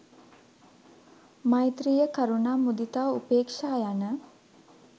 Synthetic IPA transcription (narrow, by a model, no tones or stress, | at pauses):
majt̪ɾijəkaɾunaːmud̪it̪aːupeːkʂaːjanə